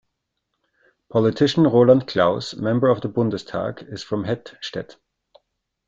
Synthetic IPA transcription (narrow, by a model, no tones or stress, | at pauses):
pʰɔlɪtʰɪʃn̩ʁoːlãntkʰl̥aʊsmɛ̃mbə˞ʌvðəbʊ̃ndəstʰa̰ːkɪz̥fɹɔ̃mɦɛdʃtɛ̰t